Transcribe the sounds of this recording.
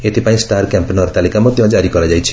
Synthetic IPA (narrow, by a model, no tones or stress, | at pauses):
eʈ̪ipãĩsʈaɾkampenɔɾt̪alikamɔt̪jɔ̃d͡ʒaɾikɔɾad͡ʒajt͡ʃʰi̥